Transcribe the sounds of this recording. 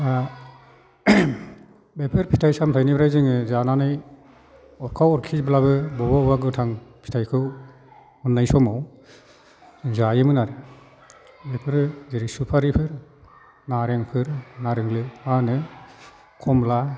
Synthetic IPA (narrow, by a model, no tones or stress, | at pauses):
a | bepʰɯɾpʰi̥tʰajsamtʰajnibɾajzɯŋɯzananɯj | ɔɾkʰawɔɾkʰisbɯlaβɯbɔbabaɡɯtʰaŋpʰi̥tʰajkʰɯw | mɯnːajsɔmaw | zajɯmɯnaɾɯ | bepʰɯɾzeɾisupʰaɾipʰɯɾ | naɾeŋpʰɯɾnaɾeŋlɯmanɯ | kʰɔmla